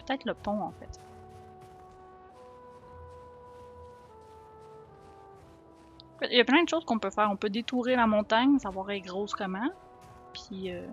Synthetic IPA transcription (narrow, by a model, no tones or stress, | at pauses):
pø̥t̪ɛt̪χləpɔ̃ɑ̃fɛt̪ | fɛjaplɛ̃d̪əʃoːz̥kɔ̃pøfɛːʁɔ̃pød̪et̪uʁelamɔ̃t̪aɲsavwaːʁeɡʁoskɔmɑ̃ | pʰiø